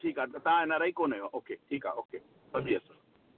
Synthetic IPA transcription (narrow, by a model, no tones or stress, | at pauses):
ʈʰiːkaːt̪aãenaɾaikoːnajoaʔoːkeʈʰiːka̰ːʔoːkeː | sɐbiəs